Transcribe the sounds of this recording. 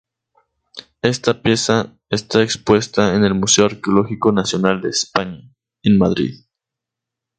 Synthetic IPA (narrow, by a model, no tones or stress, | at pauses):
e̞st̪apje̞sa | est̪aekspwe̞st̪aene̞lmuse̞oaɾkeo̞lo̞xiko̞nasjo̞nald̪e̞ːspaɲa | enmaðɾḭð